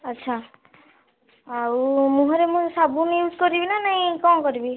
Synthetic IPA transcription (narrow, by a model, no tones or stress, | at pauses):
ətːʃʰa | awmũɦɔɾemũsabunjud͡ʒkɔɾibinanaĩkɔmkɔɾibi